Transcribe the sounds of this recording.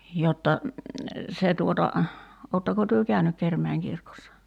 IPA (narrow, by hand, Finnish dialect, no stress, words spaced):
jotːɑ se tuotɑ oːtːɑko tyø kæynyk kermæiŋ kirkosːɑ